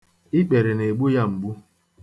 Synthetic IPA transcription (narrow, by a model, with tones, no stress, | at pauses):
i˦k͡pe˨ɾe˨ne˨ɡ͡bu˦ja˦˨ŋ͡m̩˨ɡ͡bu˦